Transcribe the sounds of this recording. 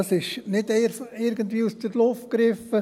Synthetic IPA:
ɑsɪʃnɪdeɾɪɾɡənt̪ʋiːusd̥əɾlʊft̚kɾɪfə

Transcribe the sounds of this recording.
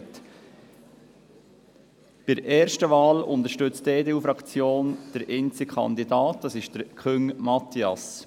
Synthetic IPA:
t | b̥ɪɾʔɛːɾʃtəvɑːlʊ̰ntəɾʃtʏt͡steːdeːuːfɾɑkt͡sjoːnd̥əɾʔɪnt͡sɪkʰχɑ̰nd̪idɑːtd̥ɑsɪʃd̥əɾkʰʏŋmɑt̪iɑ̰s

